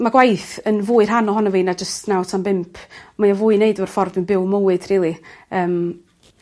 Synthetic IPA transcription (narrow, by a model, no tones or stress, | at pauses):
maɡwajθənvʊːɨr̥ɦanɔɦɔnɔviːnad͡ʒəstʰnawtʰambɪmpʰmajɔvʊːɨneɨdɔvɔr̥fɔrdɪnbɪwmowɨd̥riːlˠiəːm